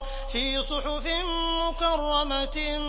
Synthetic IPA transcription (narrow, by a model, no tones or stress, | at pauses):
fiːsˤʊħʊfɪmʊkɑrˤːɑmat̪